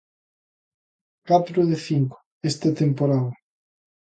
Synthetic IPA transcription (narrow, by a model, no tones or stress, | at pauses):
kat̪ɾoðeθiŋko̥ | est̪at̪empoɾað